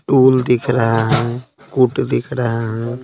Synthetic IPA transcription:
ʈuːld̪ɪkʰɾəɦaɦɛ̃ | kʊʈd̪ɪkʰɾəɦaɦɛ̃ː

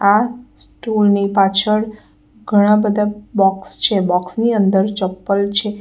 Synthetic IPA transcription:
asʈulnipat͡ʃʰəɽ | ɡʱəɽ̃ãbəd̪ʱabɔkst͡ʃʰebɔksniənd̪əɾt͡ʃəpːəlt͡ʃʰe

